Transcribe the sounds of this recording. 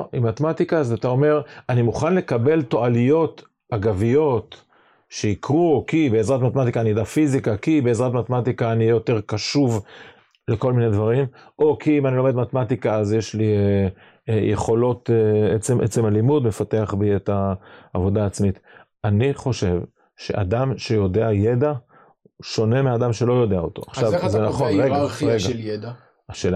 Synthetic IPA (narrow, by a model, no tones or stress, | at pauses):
imat̪emat̪ikazat̪ao̞me̞ʁanimuχanle̞kabe̞lto̞ʔalijo̞t̪ | aɡavijo̞t̪ | ʃeikʁukibeezʁatmat̪emat̪ikaːnidafizikakibe̞ezʁat̪mat̪emat̪ikaːnijo̞t̪e̞ʁkaʃuv | leko̞lmined̪vaʁimo̞kʰiimanilo̞me̞d̪mat̪emat̪ikaazjeʃli | jʔeχo̞lo̞t̪et͡semʔet͡se̞malimudme̞fateaχbietaːvo̞daːt͡smit̪ | aniχo̞ʃe̞v | ʃe̞̰ʔa̰d̪amʃe̞jo̞deaje̞d̪a | ʃo̞ne̞mead̪amʃe̞lo̞jo̞d̪e̞aot̪o̞̰aχʃavzenaχonʁeɡaʁeɡada | aʃeːa